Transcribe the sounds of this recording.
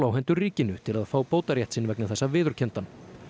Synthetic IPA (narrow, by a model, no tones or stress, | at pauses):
lawɦɛjnt̪ʏriːcɪnʏt̪ʰɪlaðfaːwpoːwt̪aɾjɛht̪sɪnvɛknɪθɛsːavɪːðʏɾ̥cʰɛnt̪an